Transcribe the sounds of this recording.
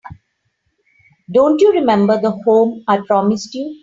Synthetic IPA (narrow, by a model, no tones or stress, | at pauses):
ɖõːɳʈjuːɾɪmɛ̃mbəɾd̪əhõːmaɪpɾɔːmɪsʈjuː